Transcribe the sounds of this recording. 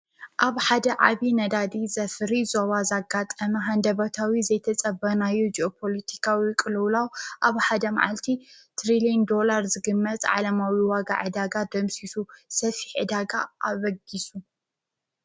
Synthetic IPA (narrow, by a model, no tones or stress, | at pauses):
ʔaβħad̪ɐʕa̰βinɐd̪ad̪izɐfɾizoβazaɡːat̪ʼɐmɐɦand̪ɐβɐt̪ʰawizɐjt̪ʰɐt͡sʼɐbɐnajud͡ʒʔopʰo̞lɐt̪ʰi̥kʰawikʼɨlwlawʔaβħad̪ɐma̰ʕa̰lt̪ʰit̪ʰɾilind̪o̞laɾzɨɡɨmːɐt̪ʼʕa̰lɐmawiwaɡa̰ʕɨd̪aɡad̪ɐmsisusɐfi̥ħʕɨ̰d̪aɡaʔaβɐɡisu